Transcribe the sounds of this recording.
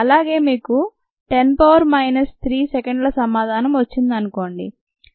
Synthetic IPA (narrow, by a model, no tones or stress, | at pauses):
ɐlaːɡe̞ːmiːku | ʈenpoːʋɐɾmɐjnɐst̪ʰɾiːsekɐɳɖlɐsɐmaːd̪ʱaːnɐmʋɐt͡ʃːind̪ɐnuko̞ːɳɖḭ